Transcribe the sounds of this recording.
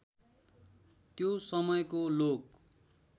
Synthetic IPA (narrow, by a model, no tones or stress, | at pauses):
t̪josʌmʌjkolok